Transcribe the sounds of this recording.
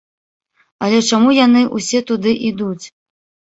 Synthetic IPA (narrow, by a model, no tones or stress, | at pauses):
ɐlʲɛt͡ʂamujanɨʔusʲɛt̪ud̪ɨʔid̪ut͡sʲ